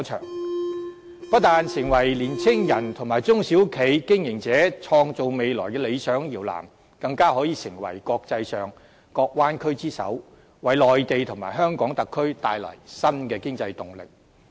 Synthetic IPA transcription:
t͡ʃʰœ̰ː˨˩ŋ | pɐ˥t̚t̪aː˨nsɪ˨˩ŋwɐ˨˩jliː˨˩nt͡sʰɪ˥ŋjɐ˨˩nt̪ʰʊ˨˩ŋmaː˨˩jt͡sʊ˥ŋsi˨˥wkʰe˨˥jkɪ˥ŋjɪ˨˩ŋt͡sɛː˨˥t͡ʃʰɔː˧ŋt͡so˨wme˨˧jlɔː˨˩jkɛː˧le˨˧jsœː˨˥ŋjiː˨˩wla̰ː˨˩m | kɐ˧ŋkaː˥hɔː˨˥jiː˨˧sɪ˨˩ŋwɐ̰˨˩jkɔː˧k̚t͡sɐ˧jsœː˨ŋ | kɔː˧k̚waː˥nkʰɵ˥ɥt͡siː˥sɐ̰˨˥w | wɐ˨˥jlɔː˨˩jt̪e˨˧jt̪ʰʊ˨˩ŋma̰ː˨˩jɦœː˥ŋkɔː˨˥ŋt̪ɐ˨kʰːɵ˥ɥt̪aː˧jlɐ̰˨˩jsɐ˥nkɛː˧kɪ˥ŋt͡sɐ˧jt̪ʊ˨ŋlɪ̰˨k̚

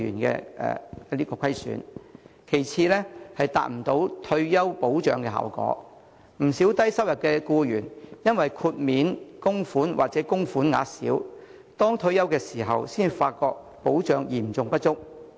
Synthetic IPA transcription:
y̰ː˨˩nkɛ̰ː˧ɛ̰ː˨liː˥kɔː˧kʰɐ˥jsy̰ː˨˥nkʰe˨˩jt͡sʰiː˧lɛ˥hɐ˨jt̪a̰ː˨t̚m̩˨˩t̪o˨˥wt̪ʰɵ˧ɥjɐ˥wpo˨˥wt͡ʃœː˨˧ŋkɛː˧ɦa̰ː˨˩wkɔ̰ː˨˥ | m̩˨˩si˨˥wt̪ɐ˥jsɐ˥wjɐ˨t̚kɛː˧kuː˧jyː˨˩njɐ˥nwɐ˨jkʰuː˧t̚miː˨˥nkʊ˥ŋfuː˨˥nwaː˨t̚t͡sɛː˨˦˥kʊ˥ŋfuː˨˥nŋa̰ː˨˧sḭː˨˥w | t̪ɔː˥ŋt̪ʰɵ˧ɥjɐ˥wkɛː˧siː˨˩ɦɐ˨wsiː˥nfaː˧t̚kɔː˧k̚ | po˨˥wt͡ʃœː˨˧ŋjiː˨˩nt͡sʊ˨ŋpɐ˥t̚t͡ʃʊ˥k̚

